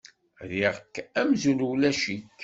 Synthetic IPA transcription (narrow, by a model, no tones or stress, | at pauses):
ðiʁkːæmzulwlæʃit